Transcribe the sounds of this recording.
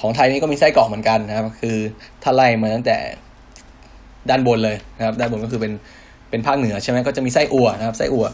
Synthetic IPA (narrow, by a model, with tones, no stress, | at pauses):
kʰɔː˩˦ŋt̪ʰa˧jniː˦˥kɔː˥˩miː˧sa˥˩jkɔː˨˩ŋmɯ˩˦ənka˧na˧a˥pkʰɯː˧t̪ʰaː˥˩la˥˩jmaː˧t̪a˥˩ŋt̪ɛ̰ː˨˩ | daː˥˩nbo˧nlɤː˧jna˧˥kʰa˥daː˥˩nbo˧nkɔː˥˩kɯː˧pe˧n | pe˧npʰaː˥˩k̚nɯ˨˩˦ɐt͡ɕʰa˥˩jma˦˥kɔː˥˩t͡ɕa˨˩ʔmiː˧sa˥˩jʔu˨˩ɐna˦kʰa˦˥p̚sa˥˩jʔu˨˩ɐ